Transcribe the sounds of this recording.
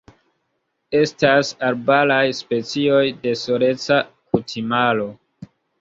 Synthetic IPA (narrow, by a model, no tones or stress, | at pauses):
e̞stasaɾbalajspe̞t͡sio̞jde̞soɾe̞t͡sa | kutʰimalo̞